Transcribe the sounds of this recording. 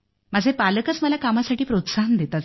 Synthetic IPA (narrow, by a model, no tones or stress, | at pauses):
məd͡zʱepaləkət͡sməlakamasaʈiːpɾot̪saɦnd̪et̪at͡s